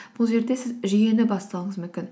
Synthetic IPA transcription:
b̥ʊlˠʒe̞ɾd̪e̞sɪzʒijenɪbɑst̪ɑlˠəɴəzmʏmkʲɪn

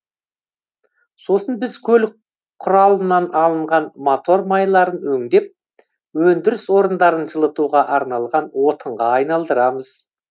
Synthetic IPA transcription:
so̞sənbɪzkʲʰɵl | qʰʊɾɑlˠənːɑnɑlˠəɴʁɑnmot̪o̞ɾmɑjlˠɑɾənwɵŋd̪e̞p̚ | wɵnd̪ɪɾɪswo̞ɾənd̪ɑɾənʒəlˠət̪uʁɑʔɑɾnɑlˠʁɑnwo̞t̪ʰəɴʁɑɑjnɑlˠd̪əɾɑməz̥

